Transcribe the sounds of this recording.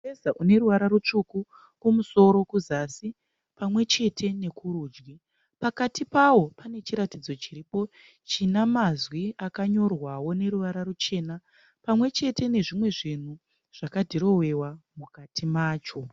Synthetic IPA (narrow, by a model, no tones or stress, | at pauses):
ezaʔune̞ɾuʋaɾaɾut͡ʂuku | kumuso̞ɾo̞kuzasi | pamwe̞t͡ʃe̞tʰe̞ne̞kʰuɾuːd͡ʒɡi | pakatipawo̞pane̞t͡ʃiɾatid͡zo̞t͡ʃiriːpo̞ | t͡ʃinamazwiakaɲo̞rwawo̞ne̞ɾuʋaɾarut͡ʃe̞ːna | pamwe̞t͡ʃe̞te̞ne̞ʐimwe̞ʐin̤u | ʐ̥akadʱiɾo̞we̞wamukatʰimaːt͡ʃo̞